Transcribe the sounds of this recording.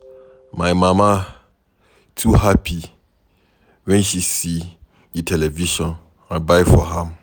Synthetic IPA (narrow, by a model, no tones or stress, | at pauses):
mãjmãmã | tʰuɦapʰi | wɛ̃nʃisi | jitʰɛlɛviʃɔ̃n | ãbaɪfɔɦãm